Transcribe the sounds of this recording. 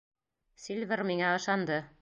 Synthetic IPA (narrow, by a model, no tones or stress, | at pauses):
sʲilʲvʲɘrmiŋæɤ̆ʃɑnd̪ɤ